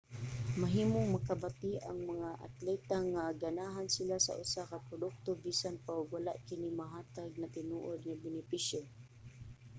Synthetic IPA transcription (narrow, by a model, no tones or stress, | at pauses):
maɦiːmoŋmakabat̪iʔaŋmaŋaʔa̰t̪lɛt̪aŋaɡanaːɦansɪlasa̰ʔʊsakapɾʊd̪ʊk̚t̪obiːsanpaʊɡwalaʔkɪnimaɦaːt̪aɡ̚nat̪ɪnuːʔod̪̚ŋabɪnɪpisjo